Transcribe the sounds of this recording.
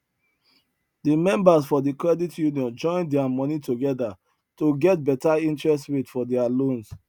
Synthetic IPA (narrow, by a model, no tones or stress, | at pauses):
dimɛ̃mbasfɔdikɹɛditjuniɔ̃nd͡ʒɔ̃ɪ̃ndɛamɔnitoɡɛda | toɡɛt̚bɛtaĩntɹɛstɹetfɔdɛalõns